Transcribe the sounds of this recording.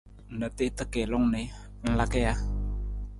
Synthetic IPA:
nə˨t̪i˦ʔt̪əke˨lɔ˦ŋne | n̩˨lakea˦

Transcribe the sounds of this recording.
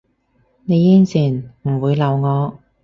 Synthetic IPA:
ne˨˧jjiː˥nt͡sʰiː˨˩nm̩˨˩wuː˨˧jlɐ˨˧wŋɔː˨˧

